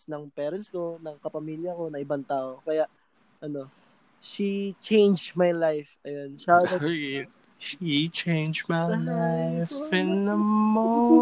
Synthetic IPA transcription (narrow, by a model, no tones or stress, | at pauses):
snɐŋpɛːɾɐnsko̞nɐŋkɐpɐmiːljɐko̞nɐŋʔɪbant̪aːʔokɐjaʔ | ʔɐno̞ | ʃit͡ʃejnd͡ʒmajlajfʔɐjonʃad̪ɐ | ʃit͡ʃejnd͡ʒmalajfɛnːɐmoo